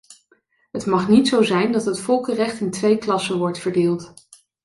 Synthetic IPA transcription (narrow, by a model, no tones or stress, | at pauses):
ɦətmɑχnitsowzɛjndɑtɦətfɔlˠkərɛχtɪntʋejklɑsənʋɔɹtfəɹdɪːlˠt